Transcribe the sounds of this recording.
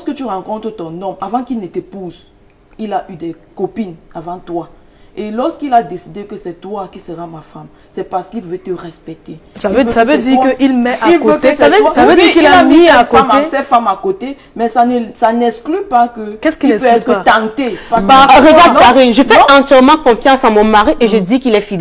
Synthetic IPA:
ɔskət̪yʁɑ̃kɔ̃t̪χət̪ɔ̃nɔ̃mavɑ̃kilnet̪ɛpuz | ilaʔyd̪ɛkɔpinavɑ̃t̪wa | elɔʁskilad̪esid̪ekəsɛt̪wakisəʁamafam | sɛpaʁsə̥kilvøt̪əʁɛspɛk̚t̪esavøsavød̪iʁkəʔilmɛʔailkoøesavsavød̪ikilaamiakomesɛfamakot̪e | mɛsasanɛsklypakəkɛskiɛpøɛt̪t̪ãt̪epaaʁeɡadkaʁinʒəfɛɑ̃t̪jɛʁmɑ̃kɔ̃fjɑ̃samɔ̃maʁiʔeʒəd̪ikilɛfid̪ɛ

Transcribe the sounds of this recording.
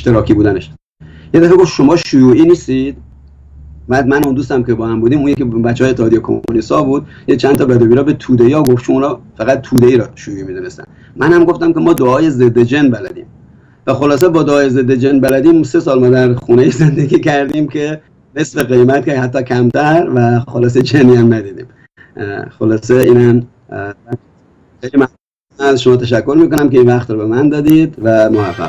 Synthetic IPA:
eʃt̪eɾɒːkʰiːbuːd̪æneʃ | jed̪æfæɡo̞ft̪ʃo̞mɒːʃujuːʔiːniːst̪id̪̥ | bæːd̪mænund̪uːs̬t̪æmkʲebɒːhæmbuːd̪iːmunjekʰebæt͡ʃːehːjet̪ːehɒːd̪ijekʰo̰lisɒbuːd̪̚ | t͡ʃʰænt̪ʰɒːbæd̪oːbiːɾɒːbet̪ʰuːd̪eiɒːɡoft͡ʃʰouːnɒːfæɣæt̪̚ːʰuːd̪eiːɾɒʃujuːiːmiːd̪une̞st̪æ̰n | mʔænhæmɡo̞ft̪æmkʲe̞mɒːd̪oɒːje̞zed̪ːed͡ʒe̞nbælæ̰d̪ḭːm | væxolɒːs̬ebɒːd̪oɒːjeze̞d̪ːed͡ʒenbælæd̪iːmse̞sɒːlmɒːd̪æɾxunejize̞nd̪eɡʲiːkʰæɾd̪iːmkʰe̞ | ne̞sfeɣe̞jmæt̪̚kʲehæt̪ːɒːkʰæmt̪ʰæɾvæxolɒːs̬ed͡ʒʰenijæmnæd̪iːd̪ḭːm | xolɒːse̞iːnæm | æ | xejlimæhnuu | ænæzʃomɒːt̪ʰæʃækʰːo̞ɾmiːko̞næmkeiːnvæχt̪ɾɔːbe̞mænd̪ɒːd̪iːd̪væmohæfːæ̰

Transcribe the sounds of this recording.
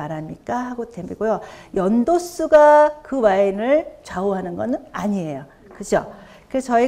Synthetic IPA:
aɾɦamɲik͈aɦaɡodemiɡojojʌndos͈uɡakɯmainɯɭt͡ɕaoɦanɯnɡʌnɯnaɲie̞jo | kɯt͡ɕʰo̰ | kɯest͡ɕʌi

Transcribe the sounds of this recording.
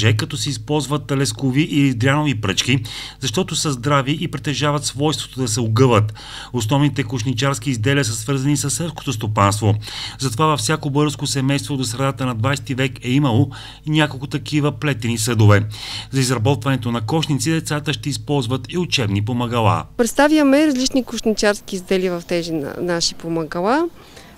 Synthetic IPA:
ʒɛkɐt̪ɔsɛispɔlˠzvət̪ːɐlɛskoviʔilizd̪ɾʲanovipɾɤt͡ʃki | zɐʃt̪ɔt̪osəzd̪ɾaviʔipɾɛt̪ɛʒavət̪svɔjst̪vo̥t̪od̪ɐsɛoɡɤvət̪ | osnɔvnit̪ɛkoʃnit͡ʃaɾskiːzd̪ɛliəsəsvɤɾzɐnisɐsːɛlˠsko̥t̪ost̪opanst̪vozɐt̪ovavɐfsʲjakobɤɾəskosɛmɛjst̪vod̪osɾɛd̪at̪ənɐd̪vajsɛ̥t̪ivɛkɛimɐlˠo | inʲakolˠkʊt̪ɐkʰivəplɛt̪ɛnisɤd̪ovɛzɐizɾɐbɔt̪vɐnɛt̪onɐkɔʃnit̪sid̪ɛt̪sat̪əʃt̪ɛispɔlˠzvət̪iʊt͡ʃɛbnipomɐɡɐlˠa̰pɾɛt̪st̪avjəmɛɾɐzlit͡ʃnikʊʃnʲit͡ʃaɾskiːzd̪ɛlivɐft̪ɛzinnaʃi̥pomɐɡɐlˠa

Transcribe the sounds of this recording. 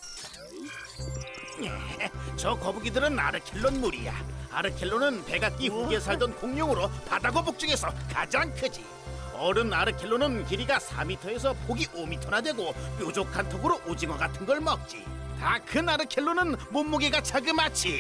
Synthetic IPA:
nḛt͡ɕʌkʌbuɡidɯɾɯna̰ɾɯkʰeɭːonmuɾḭja̰a̰ɾɯkʰe̞ɭːonɯnpe̞ɡat̚k͈iɸoɡes̬ʰaɭdʌnkoŋɲʌŋɯɾopadaɡobok̚t͡ɕ͈ʌɡe̞sʰʌka̰d͡ʑaŋkʰɯd͡ʑi | ʌɾɯnaɾɯkʰeɭːonɯnkiɾiɡasʰa̰mitʰʌe̞s̬ʰʌpoɡiʔomitʰʌɾadwe̞ɡokjod͡ʑokʰantʰoɡɯɾoʔod͡ʑiŋwaɡatʰɯnɡʌɭmʌk̚t͡ɕ͈ḭtakɯnaɾɯkʰeɭːonɯnmomːuɡeɡat͡ɕʰaɡɯmat͡ɕ͈ʰi

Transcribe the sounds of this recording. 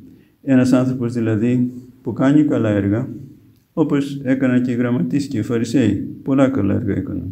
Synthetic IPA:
e̞nɐsɐnθɾo̞po̞zðilɐðipukɐɲikɐlɐeɾɣɐ | o̞po̞se̞kɐnɐce̞iɣɾɐmɐt̪isceifɐɾise̞ipo̞lɐkɐlɐ̰e̞̰ɾɣɐe̞̰kɐnɐ

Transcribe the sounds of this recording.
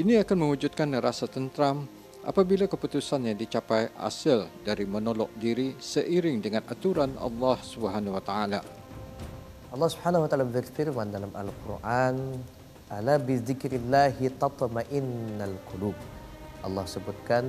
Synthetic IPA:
ʔiniakanmə̃wud͡ʒut̪̚kanɾasat̪ənt̪ɾam | ʔa̰pabilakəput̪usanjaŋdit͡ʃapajʔa̰səldaɾimənolɔʔ̚diɾisəʔiɾɪŋdəŋãnʔa̰t̪uɾanɑ̰lːɑhsubɦanwat̪aala̰ | ʔɑlˤːɑhsubħanawat̪aːlabərfiɾmandalamalqurʔan | ʔalabɪðɪkɾɪlːahit̪ɑt̪ˤmaʔɪnːalqʊlub̚ | ʔɑ̰lːɑhsəbut̪̚kan

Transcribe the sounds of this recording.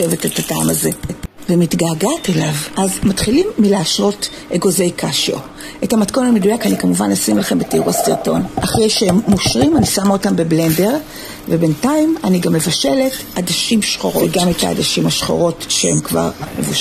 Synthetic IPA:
evetetataamaze̞ | vemitɡaːɡatelavʔazmatχilimːileaʃʁo̞t | ʔeɡo̞zejkʰaʃio̰ | ʔetamatko̞namedujakanikamuvanlosimelχembetiʁuasiʁto̞nʔaχʁejʃeemːoʃʁimanisamao̞tambeble̞nde̞ʁ | vebe̞ntaimaniɡamːe̞vaʃe̞le̞t | adaʃimʃχo̞ʁoeɡameta̰ːdaʃimhaʃχo̞̰ʁo̞tʃehemkva̰ʁmḛvuʃ

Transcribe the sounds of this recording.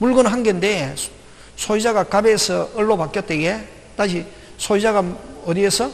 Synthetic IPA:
muɭɡɯnɦanɡende | sʰoid͡ʑaɡakabeːsʰʌːɭːobak͈jʌt͈̚eɡe | taɕʰi | sʰoid͡ʑaɡaʌdiesʰʌ

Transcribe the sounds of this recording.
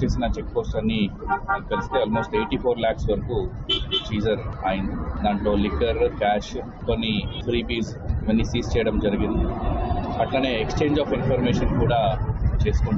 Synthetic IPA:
eːsinɐt͡ʃek̚poːsʈɐnːiɐkɐɾist̪eɐaːlmoːsʈeːʈiːpʰoːɾlaːksʋɐɾɐkut͡ʃiːd͡ʒɐɾɐjnd̪aːɳʈoːlikːɐɾkaːʃ | konːipʰɾiːpiːz | ʋɐnisiːst͡ʃɛjɐɽɐmd͡ʒɐɾiɡind̪i | ɐʈlane̞ːekst͡ʃe̞ːɲd͡ʒaːfinpʰɐɾmeːʃɐnkuːɽaːt͡ʃe̞ːsu̥kuɳ

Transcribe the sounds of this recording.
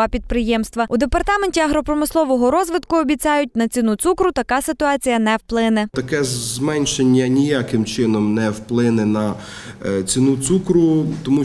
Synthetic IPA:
ɑpʲid̪̚pɾɪjɛmst̪ʋɐud̪epɐrt̪ɑmenʲtʲiɐɦɾɔpɾɔmɪslˠɔʋɔɦɔɾɔzʋɪd̪kʊɔbʲit͡sʲɑjʊt̚ʲnɐt͡sʲinut̪sukɾʊt̪ɐkɑsɪt̪ʊɑt͡sʲijɐnɛwplˠɪnɛt̪ɐkɛzmɛnʲʃenʲːɐnʲijakɪmt͡ʃɪnɔmnɛwplˠɪnɛnɐ | t͡sʲinut̪sukɾʊt̪ɔmu

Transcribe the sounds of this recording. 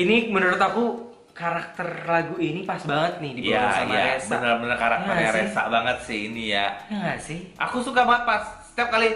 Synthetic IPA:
inimənəɾʊt̪aku | kaɾak̚t̪ərlaɡuinipasbaŋət̪̚nɪhdibaawaamaa̰esbə̰nərbənərkaɾa̰t̪əɲaɾesa̰ʔbaŋət̪̚sɪhinijaŋasɪhʔa̰kusukabaŋət̪̚pasə̥t̪iap̚kali

